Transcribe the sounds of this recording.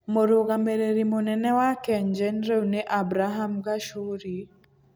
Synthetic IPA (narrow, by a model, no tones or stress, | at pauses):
moɾoɡameɾeɾimonɛnɛwakɛɲd͡ʒɛnɾewneʔabɾaɦamɡaʃuɾi